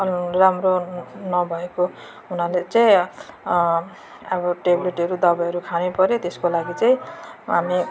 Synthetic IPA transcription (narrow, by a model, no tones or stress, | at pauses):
ramronʌbʱʌeko | ɦunalet͡saj̃ | ʌbʌʈebleʈʌɾud̪ʌbaʌɾukʰanepʌɾjot̪eskolaɡit͡saĩɦami